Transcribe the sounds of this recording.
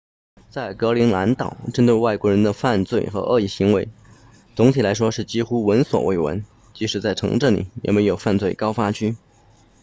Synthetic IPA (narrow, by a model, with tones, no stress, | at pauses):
t͡sa˥˩ɪkɤ˧˥li˧˥ŋla˧˥nt̪ɑ˨˩˦ʊʈ͡ʂə˥nt̪we˥˧ɪwa˥˩ɪkwɔ˧˥ɻə˧˥nd̪ə˧fa˥˧nt͡swe˥˩ɪxɤ̰˧˥ʔə̰˥˧i˥˩ɕi˧˥ŋwe˧˥ɪ | t͡sʊ˧˥ŋt̪ʰi˨˩la˧˥ɪʂwɔ˥ʂɻ̩˥˩t͡ɕi˥xu˥wə˧˥nswɔ̰˨˩wḛ˥˩ɪwə̰˧˥n | t͡ɕi˧˥ʂɻ̩˧˥t͡sa˥˩ɪʈ͡ʂʰɤ̰˧˥ŋʈ͡ʂɤ˥˩ŋlḭ˨˩˦jɛ̰˨˩me˧˥ɪjo˨˩ʊfa˥˧nt͡swe˥˩ɪkɑ˥ʊfa˥t͡ɕʰy˥